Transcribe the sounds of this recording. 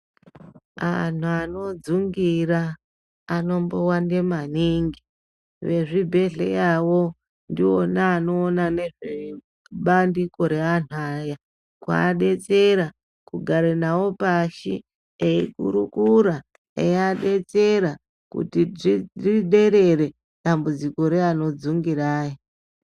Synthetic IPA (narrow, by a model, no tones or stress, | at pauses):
a̰n̤uano̞d͡zuŋɡiɾaː | no̞mbowande̞maniŋɡi | ʋe̞ʐibʱe̞ɮḛjawo̞ | ndio̞naːno̞ːnane̞ʐe | ɓandiko̞ɾe̞an̤uaja | kwa̰ːɗe̞t͡se̞ɾa | kuɡʱaɾenawo̞paʃḭ | eikṵɾukuɾa | ḛjaɗe̞t͡se̞ɾa | kṵtiriɗe̞ɾe̞re̞ | ɗambud͡ziko̞ɾeano̞d͡zuŋɡiraːji